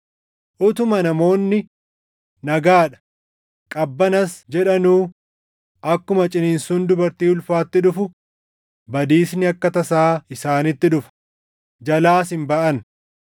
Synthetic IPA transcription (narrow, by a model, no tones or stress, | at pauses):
ʔʊt̪ʊmɐnɐmo̞ːnːɪ | nɐɡaːᶑɐ̥ | kʼɐbːɐnɐsd͡ʒɛᶑɐnuː | ʔɐkːʊmɐt͡ʃʼɪniːnsund̪ʊbɐɾt̪iːʊlfaːt̪ːɪᶑʊfʊ | bɐd̪iːsnɪɐkːɐt̪ɐsaːɪsaːnɪt̪ːɪᶑʊfɐ̥ | d͡ʒɐlaːsɪmbɐʔɐn